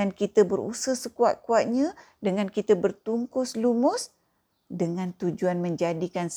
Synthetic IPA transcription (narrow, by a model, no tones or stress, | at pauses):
ankit̪əbəɾṵsəhsəkuaʔ̪̚kuat̪̚ɲã | dəŋankit̪əbərt̪uŋkʊslumʊs | dəŋãnt̪ud͡ʒuanmə̃ɲd͡ʒadikans